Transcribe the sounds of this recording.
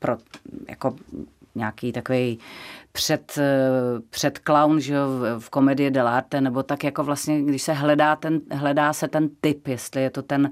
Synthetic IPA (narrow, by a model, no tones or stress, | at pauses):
pɾoja̰ko̞ | ɲaːkiːt̪akovɛjpr̝̥ɛt̪ | pr̝̥ɛt̪klawnʒɛjofko̞mɛdɪjɛdɛlaːɾt̪ɛnɛbo̞t̪akjako̞vlast̪ɲɛɡdɪʃsɛɦlɛdaːt̪ɛnɦlɛdaːsɛt̪ɛnt̪ɪpjɛst̪lɪjɛt̪o̞t̪ɛn